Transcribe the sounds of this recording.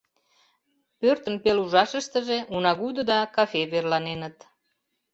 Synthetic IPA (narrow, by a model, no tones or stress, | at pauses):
pørt̪ənpeluʒɑʃəʃt̪əʒeʔunɑɣud̪əd̪ɑkɑfeβerlɑnenət̪